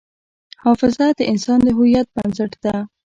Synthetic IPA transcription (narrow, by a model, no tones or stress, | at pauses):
hɑfɪzad̪əʔɪnsɑnd̪əɦujat̪̚bansəʈd̪̥a